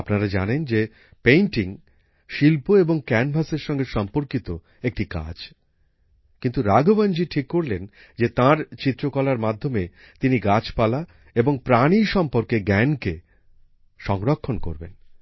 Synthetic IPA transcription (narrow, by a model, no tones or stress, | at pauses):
apnaɾad͡ʑanend͡ʑe | pejnʈiŋ | ʃilpoeboŋkɛnbʱaseɾʃɔŋɡeʃɔmpoɾkit̪o | ek̚ʈika̰d͡ʑ | kint̪uɾaɡʱoband͡ʑiʈʰikːoɾlen | d͡ʑet̪ãɾt͡ɕit̪ːɾokɔlaɾmad̪ʱːome | t̪iniɡat͡ɕpala | eboŋpɾaniʃɔmpoɾkeɡɛnke | ʃɔŋɾokʰːonko̰ɾbḛn